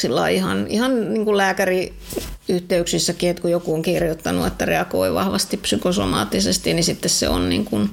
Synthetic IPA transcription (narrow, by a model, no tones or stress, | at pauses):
silːɑiihɑ̰nihɑnniːŋkullæːkæri | yht̪eyksisːækiet̪kujokuoŋkirjot̪ːɑnṵet̪ːærḛɑko̰iʋɑ̰hʋɑst̪ipsykoso̰mɑ̰ːt̪ːisest̪inisit̪ːessḛo̰nnḭːŋkun